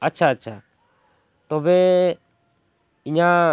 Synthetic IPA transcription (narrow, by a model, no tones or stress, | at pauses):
at͡ʃʰaːt͡ʃʰa | t̪ɔbɛ | iɲa